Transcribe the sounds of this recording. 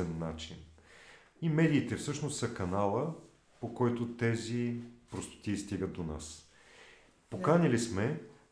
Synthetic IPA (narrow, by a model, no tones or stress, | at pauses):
ɛnːat͡ʃin | imɛd̪iːt̪ɛfsɤʃnost̪sɐkɐnalˠə | pokɔjt̪ot̪ɛzipɾost̪o̥t̪iːst̪iɡət̪̚d̪ona̰s | pokanʲilismɛ